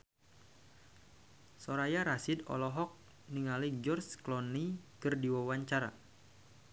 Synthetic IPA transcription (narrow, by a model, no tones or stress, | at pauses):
sɔɾajaɾasidɔ̰lɔɦɔk̚ | niŋalid͡ʒɔrsklɔnːikɨrdiwawaɲt͡ʃaɾa̰